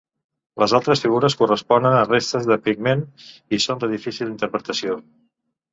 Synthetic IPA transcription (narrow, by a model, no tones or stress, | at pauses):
ləzalˠt̪ɾəsfiɣuɾəskurəspɔnənərest̪əzðəpiɡ̚menisond̪əðifisilˠint̪əɾpɾət̪əsio